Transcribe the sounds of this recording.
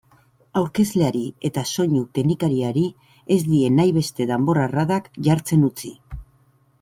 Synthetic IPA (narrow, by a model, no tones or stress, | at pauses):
awɾke̞zle̞aɾie̞t̪aso̞ɲut̪enikaɾiaɾi | e̞zd̪ie̞najβe̞st̪e̞ðambo̞raraðakʝaɾt͡se̞nut͡si